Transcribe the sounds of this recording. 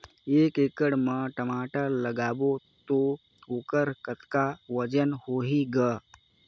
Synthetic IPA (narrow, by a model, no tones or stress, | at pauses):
eːkeːkəɽməʈəmaːʈaləɡaːbot̪o | oːkəɾkət̪kaʋəd͡ʒənhoːɦiɡə